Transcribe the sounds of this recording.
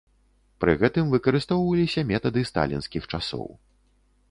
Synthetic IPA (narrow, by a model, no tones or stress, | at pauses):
pɾɨ̰ɣɛt̪ɨmvɨkɐɾɨst̪ɔwvɐlʲisʲɐmʲɛt̪ɐd̪ɨst̪a̰lʲḭnskʲixt͡ʂasɔ̰w